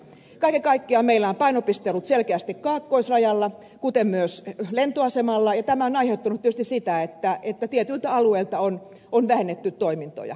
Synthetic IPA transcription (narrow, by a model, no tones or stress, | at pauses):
kɑikekɑikːeɑmeilːˑæompɑinopist̪elut̪selkeæst̪ikkɑːkːoisrɑjɑlːɑ | kut̪emmyøslent̪oɑsemɑlːɑjɑt̪æmæonɑiheut̪ːɑnut̪ːyøst̪isit̪æet̪ːæet̪ːæt̪iet̪ylt̪æɑlueilt̪ɑon | onʋæhenːet̪ːyt̪t̪oimint̪o̰jɑ̰